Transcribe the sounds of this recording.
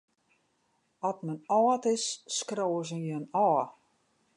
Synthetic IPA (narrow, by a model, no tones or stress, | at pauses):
ɔtmənɔːtɪsːkrowəs̬ənjəənɔː